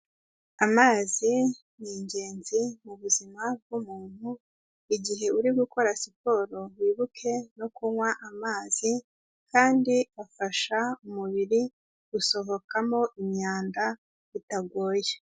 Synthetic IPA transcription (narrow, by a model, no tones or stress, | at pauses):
amaːzi | niːɲɟe̞ːnzimuβuzimab̚ɡumuːn̥hu | iɟiɦe̞uɾiɡuko̞ɾasipo̞ːɾo̞wiːβukʰe̞nokuŋwaʔamaːz̥i | kʰaːndiafaʃaumuβiɾi | ɡuso̞ɦo̞kamo̞ʔimɲaːnda | itaɡwoːje